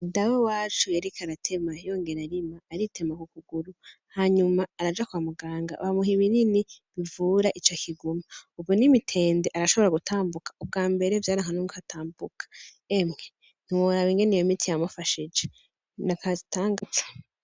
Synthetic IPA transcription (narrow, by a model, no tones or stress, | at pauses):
dawewaːt͡ʃujeɾekʰaɾatʰe̞majoŋɡe̞ɾaɾimaːɾitʰe̞makukuɡuɾu | haɲumaːɾad͡ʒakuwamuɡaːŋɡa̰ʔβamuɦiβininiβivuːɾaʔit͡ʃokʰiɡumaubjonimitʰe̞ːndeʔaɾaʃo̞βo̞ɾaɡutʰaːmbukḁub̚ɡaːmbe̞ɾevjaːɾaŋanuŋkatʰaːmbukḁ | emŋe | n̥iwoɾaβiŋɡenijomitʰijamufaʃid͡ʒe | nakazitaːŋɡazḁ